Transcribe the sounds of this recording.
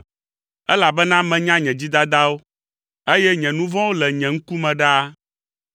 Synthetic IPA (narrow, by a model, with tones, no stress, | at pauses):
ɛ˦la˨bɛ˦nã˦mɛ̃˨ɲã˦ɲɛ̃˨d͡ʑi˦d̪a˦d̪a˦wo˦ | e˦jɛ˦ɲɛ̃˨nũ˦vɔ̃˦wo˦lɛ˨ɲɛ̃˨ŋ̩˦ku˦mɛ̃˨ɖa˦a˦